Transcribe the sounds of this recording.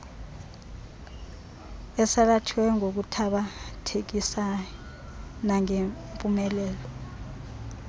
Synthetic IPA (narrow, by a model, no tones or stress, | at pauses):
ɛsakatʰwɛŋok̬utʰaɓatʰek̬isaj | naŋempʼumɛlɛːlɔ